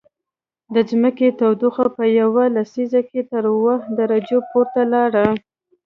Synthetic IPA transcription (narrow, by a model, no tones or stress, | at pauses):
d̪əzməket̪awd̪uxapəjawalasizaket̪əɾwahd̪aɾad͡ʒepoɾt̪alɑɽa